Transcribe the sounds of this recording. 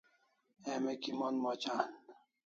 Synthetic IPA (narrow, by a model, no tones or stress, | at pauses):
emekimonmot͡ɕaːn